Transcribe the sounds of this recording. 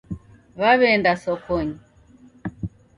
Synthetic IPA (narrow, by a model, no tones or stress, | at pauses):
βaβɛndasɔkɔɲi